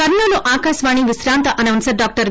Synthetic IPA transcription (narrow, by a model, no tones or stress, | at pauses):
kɐɾnɐːluʔaːkaːʃʋaːɳiʋisɾaːnt̪ɐʔɐnɐʋɐnsɐɖaːk̚ʈɐɾ